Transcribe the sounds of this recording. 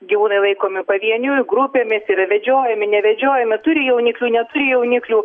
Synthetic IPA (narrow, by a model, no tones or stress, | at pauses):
ɡʲiʋuːnɐɪlˠɐɪkoːmʲɪpɐʋʲiɛnʲʊjɡɾʊpʲeːmʲɪsɪɾɐʋʲɛd͡ʒʲoːjɛmʲɪnʲɛʋʲɛd͡ʒʲoːjɛmʲɪt̪ʊɾʲɪjɛʊnʲɪklʲuːnʲɛt̪ʊɾʲɪjɛʊnʲɪklʲuː